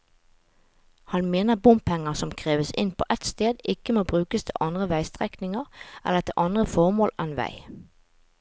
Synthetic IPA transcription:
hɑnmeːnəbʊmpʰɛŋəʁsɔmkʰʁeːʋəsɪ̰npʰo̰ːʔɛt̪st̪eːd̪ɪkəmoːbʁʉːkəst̪ʰɪ̰lʔɑnd̪ʁəʋæɪst̪ʁɛknɪŋəʁʔɛ̰ləʁt̪ʰɪʔɑnd̪ʁəfɔʁmoːlɛnʋæ̰ɪ

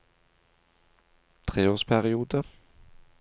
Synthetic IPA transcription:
t̪ʰɾeːoːʂpʰæɾɪuːd̪ə

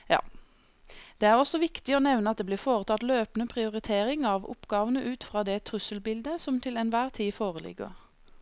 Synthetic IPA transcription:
jɑ̰ː | d̪̥ɛːæʁɔsɔʋɪkt̪ɪoːnɛʋnəɑt̪̚d̪eːbliːfoːʁət̪ʰɑt̪løːpənəpʰʁɪʊʁɪt̪ʰeːʁɪŋɑʋʊ̰pɡɑːʋənəʔʉːt̪fʁɑːd̪ɛt̪ʰʁʉsəlbɪld̪əsɔmt̪ʰɪlɛnʋæːʁt̪ʰiːfoːʁəlɪ̰ɡə̰ʁ

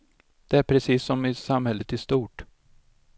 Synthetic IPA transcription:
d̪̥ɛæɾpʰɾɛsiːsːɔmɪsamhɛlːət̪ɪst̪uːʈ

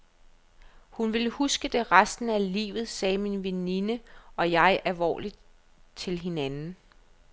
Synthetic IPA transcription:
hunʋe̝lhusɡ̥əd̥e̝ʁasd̥n̩ælḭːʋð̞̩ˠsɛːminʋeninəɒ̽jɑ̈ɪʔælʋɒ̰ːlid̥ | t͡sʰe̝lɦe̝nænn̩

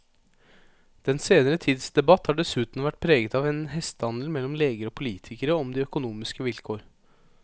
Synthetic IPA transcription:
d̪̥ɛnseːnəɾət̪ʰiːd̪sd̪ɛbɑt̪hɑːɖɛsʉːt̪nʋæʈ̚ːpʰɾeːɡət̪ɑʋɛnɦɛst̪hɑnl̩mɛlːɔmleːɡəɾɔpʰʊliːt̪ʰɪkəɾəɔmd̪iːœkʊnuːmɪskəʋɪlkʰoːɾ

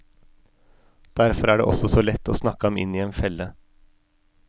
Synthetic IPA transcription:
d̪̥æɾfɔɾæːɖḛːʔɔ̰sɔsoːlɛt̪ːoːsnɑkəɑmɪ̰niːeːnfɛlːə

